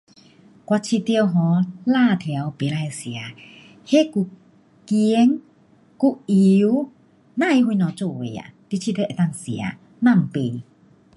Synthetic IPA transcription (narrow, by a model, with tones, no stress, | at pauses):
kwa˧t͡ɕʰi˧t̪jə˧wɦɔ̃˨˦la˧˨t̪ʰɛ˨a˨˦wpe˨la˧˨jsja˨˦ | he˦ku˧ | ki˧˦ŋ | ku˧˥ʔi˧˦w | nã˥˨i˧˦hwu˧nɔ̃˨t͡so˧˨we˨ja̰˨t̪i˧˦t͡ɕʰi˧t̪e˧˨ʔe˨˩t̪a˥˧˨ŋsi˨a̰˨˧˦ | nã˧˨m̩˨pe˧˨